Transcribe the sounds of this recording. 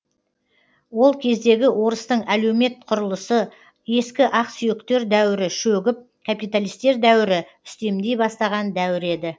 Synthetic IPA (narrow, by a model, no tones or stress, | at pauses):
wo̞lˠkʲʰe̞zd̪e̞ɡʲɪwʔo̞ɾəst̪əɴæle̞wme̞t̪̚qʰʊɾəlˠəsə | je̞skʲɪʔɑqsʏjɪkt̪e̞ɾd̪æwɪɾɪʃɵɡʲɪp̚ | kʰapijt̪alijst̪e̞ɾd̪æwɪɾɪ | ʏst̪e̞md̪e̞jbɑst̪ɑʁɑnd̪æwɪɾe̞d̪ɪ